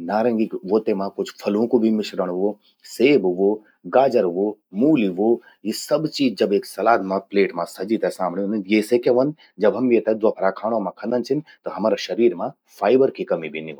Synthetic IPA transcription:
naːɾɐ̃ŋɡikʋoːt̪emãkʊt͡ʃʰfʰɐlõkobʱimɪʃɾəɽ̃ɦʋo | seːbʋoː | ɡaːd͡ʒəɾʋomuːliʋoː | jisɐbt͡ʃiːd͡ʒd͡ʒɐbeːksɐlaːd̪mãpleːʈmãsɐd͡ʒit̪ɛsãːmɳinjeːsekeʋɐnd̪ | d͡ʒɐbɦɐmjet̪ɛd̪ʋɐpʰɐɾakʰaːɽ̃omãkʰɐ̃nd̪ənt͡ʃʰɪnt̪oɦɐmaːɾaʃɐɾiːɾmã | fʰaːɪbəɾkʰikɐmibʱiniʋõ

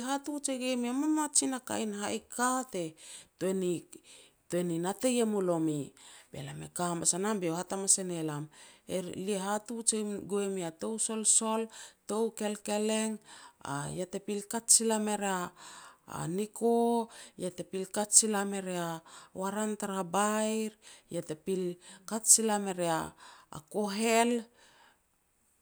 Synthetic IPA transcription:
ɦatut͡ʃeɡemiamamat͡ʃinaka̰jnhaʔikʰate̞toeni | toeninate̞jemolo̞mibelamekamasanambeohatamasenelameɾlieɦatut͡ʃeɡoemiato̞wso̞lso̞lto̞wke̞lke̞leŋa̰jate̞pilkatsilame̞ɾea̰ː | nikojate̞pilkatsilame̞ɾeawaɾantaɾabajɾjatepilkatsilame̞ɾea̰ːko̞ɦe̞l

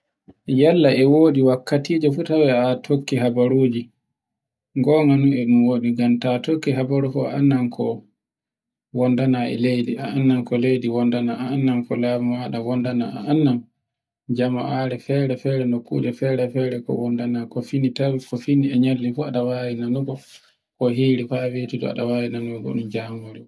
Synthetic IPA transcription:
jalːaʔɛwoːɗiwakːatiːd͡ʒɔfutawɛatʰokːiɦabaɾuːd͡ʒi | ŋɡɔŋanuɛɗumwoːɗiɡamtatokːiɦabaɾufɔanːankʰɔ | wɔndanaɛ̰lejdiaanːankɔlejdiwɔndanaaːnːamkɔlamamaɗawɔndanaa̰ʔanːam | d͡ʒama̰ʔaɾɛfɛːɾɛfɛːɾɛnokːṵːd͡ʒɛfɛɾɛfɛɾɛkɔ̰wɔndanakɔfinitawikɔfiniɛɲalːifuaɗawajinanuɡɔ | kɔɦiːɾifawetidɔ̰a̰ɗawaːjinanuɛɡɔ̰ɗumd͡ʒamoɾi

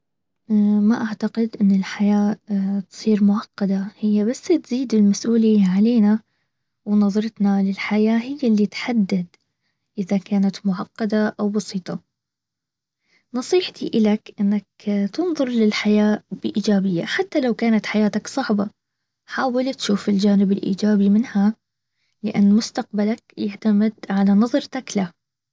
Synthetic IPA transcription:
maʔaʕt̪aqɪd̪ʔɪnːɪlħajaːt̪sˤiːɾmʊʕɑqːɑd̪ahɪjːabasːt̪ziːd̪ɪlmasʔuːlɪjːaʕaleːna | wnɑðˤɑɾˤɑt̪nalɪlħajaːɦɪjːalːit̪ħad̪ːad̪ | ʔɪðakaːnat̪mʊʕɑqːɑd̪aʔawbɑsiːt̪ˤɑ | nɑsˤiːħt̪iʔɪlakʔɪnːakt̪ɨnðˤʊɾˤlɪlħajaːb̥ɪʔiːd͡ʒaːbɪjːaħat̪ːalawkaːnat̪ħajaːt̪aksˤɑʕbɑ | ħaːwɪlt̪ʃuːfɪld͡ʒaːnɪbɪlʔḭːd͡ʒaːbimɪnha | lɪʔanːmʊst̪aq̚balakjaʕt̪amɪd̪ʕalanɑðˤɾˤt̪akla

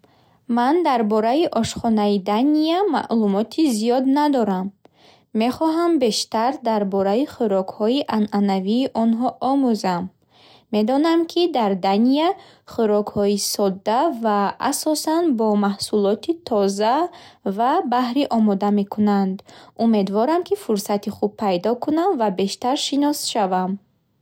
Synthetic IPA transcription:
mand̪aɾbɔɾaiʔɔʃχɔnaid̪aniama̰ʔlumɔt̪ʰizijɔd̪nad̪ɔɾamː | e̞χɔɦambe̞ʃt̪aɾd̪aɾbɔɾaiχuɾɔkhɔiʔanʔanaviːʔɔnɦɔʔɔmuzamː | e̞d̪ɔnamkʰid̪aɾd̪ania | χuɾɔkhɔisɔd̪ːava̰ːsɔsanbɔmahsulɔt̪ʰit̪ʰɔzavabahɾiʔɔmɔd̪ame̞kʰunand̪ume̞d̪vɔɾamkʰifuɾsat̪iχub̚pʰːajd̪ɔkʰunamvabe̞ʃt̪aɾʃinɔsʃavam

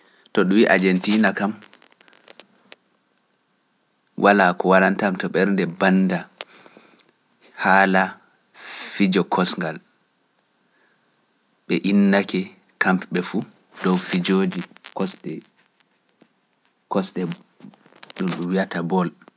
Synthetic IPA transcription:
tɔɗuwiʔa̰d͡ʒentiːnakam | wʔalakɔwalantamtɔɓɛɾndɛbanːda | haːla | fid͡ʒɔkʰɔsŋɡal | ɓɛʔinːakɛ | kampɓɛfu | dɔwfid͡ʒoːd͡ʒikɔsɗɛ | kɔsɗɛ | ɗumɗumwijatabɔl

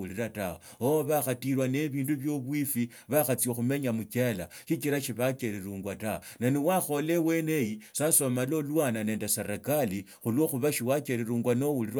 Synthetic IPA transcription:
uliɾataoooβaxatiɾwane̞βiːnduβjo̞βwifi | βaxat͡sjoxume̞ɲamukela | ʃit͡ʃiɾaʃiβakeɾiɾuːŋɡwataonaniwaxo̞lewenejisaso̞malo̞lwanane̞ːndeseɾekali | xulwo̞xuβaʃiwakeɾiɾuːŋɡwano̞wulirw

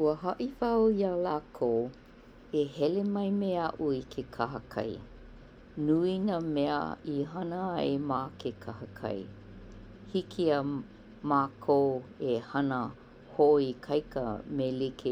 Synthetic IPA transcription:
uəɦɐʔifɐwiaːlaːkʰow | ehɛlemɐjmeɐʔuikʰekʰɐɦɐkʰɐ̰j | nuinəmɛə̰iɦɐnəɐjmaːkʰekʰɐhɐkʰɐ̰j | hikʰia | maːkʰoehɐnə | hoʔoikʰɐjkə̰melikʰe

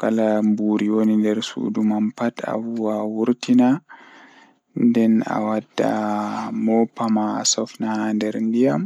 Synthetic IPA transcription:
kalambuɾiwonindɛɾsṵdumampata̰wuwawuɾtina | ndɛna̰wadːa̰mɔpːama̰ːsɔfnahandɛɾndijam

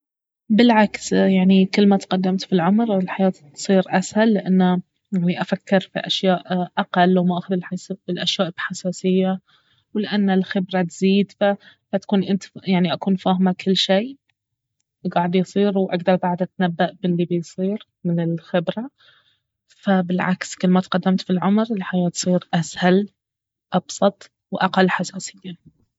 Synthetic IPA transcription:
bɪlʕaksjaʕnikɪlːmat̪qɑd̪ːamt̪filʕʊmɾɪlħajaːt̪t̪sˤiːɾʔashalːɪʔanːa | jaʕniʔafakːɪɾfḭʔaʃjaːʔʔaqɑlːwmaʔaxðɪlħasɪlʔaʃjaːʔb̥ħasaːsɪjːa | wlɪʔanːɪlxɪbɾat̪ziːd̪fa | bat̪ḁkuːnʔɪnt̪jaʕniʔakuːnfaːhmakɪlːʃeː | ɡɑːʕd̪jsˤiːɾwʔa̰ɡd̪ɑɾˤbaʕd̪ʔat̪nabːaʔbɪlːibɪjsˤiːɾ | mɪnɪlxɪbɾa | fabɪlʕa̰kskɪlːmat̪qɑd̪ːamt̪filʕʊmɾlħajaːt̪sˤiːɾʔashal | ʔɑbsˤɑt̪ˤ | wʔaqalːħasaːsɪjːa

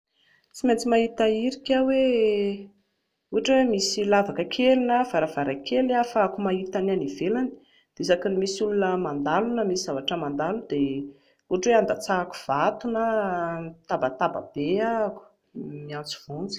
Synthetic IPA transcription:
t͡siment͡simait̪aiɾikʲawe | uɦaʈ͡ʂwemisilavakəkʰelinəfaɾavaɾajkʰelafaakumait̪ananivelani̥ | d̪̥esakənimisulunəmand̪alunəmisiz̥avaʈ͡ʂəmand̪alud̪̥e | uɦaʈ͡ʂweand̪at͡saku̥v̥at̪unə | t̪abət̪aba̰b̥eaku̥ | miant͡si̥v̥unt͡si̥

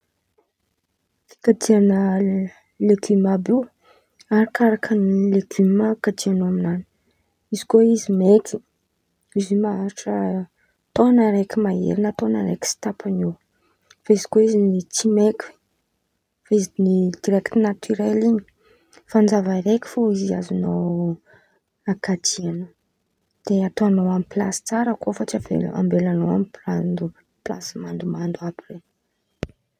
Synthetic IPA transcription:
i̥kad̪ianə | leɡymabi | aɾikʰaɾakʰənileɡymakad̪ianaminani̥ | izi̥koizimeki | izimaaɾiʈ͡ʂə | t̪onəɾekʲimaḛɾinət̪onəɾḛki̥si̥t̪apʰaniw | faizi̥koizint͡simekʲu̥ | faizinid̪̥iɾɛkt̪unat̪ʰyɾeliɲi̥ | fanzavaɾekʲi̥foizia̰zunow | akad̪ianə | d̪̥eat̪oanowamiplasi̥t͡saɾəkofət͡siavḛla̰mbelanowa̰mipland̪u | pla̰simand̪umand̪uabire

